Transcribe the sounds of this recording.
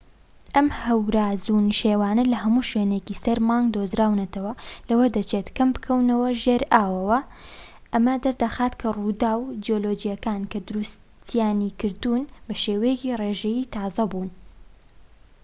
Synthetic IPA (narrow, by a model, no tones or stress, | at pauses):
ʔɐmhɐwɾaːzunʃeːwaːnɐlɐhɐmuːʃweːnecisɐɾmaːŋɡd̪oːzɾaːwnɐt̪ɐwɐlɐwɐd̪ɐt͡ʃeːt̪kɐmbɨkʰɐwnɐwɐʒeɾʔaːwɐwɐ | ʔɐmɐd̪ɐɾd̪ɐxaːt̪kʰɐrud̪aːwd͡ʒiolod͡ʒijɐkaːnkʰɐd̪ʊɾus | t̪ʰjaːnikɨɾd̪unbɐʃeːwɐjecireʒɛjit̪ʰɑːzɐbuːn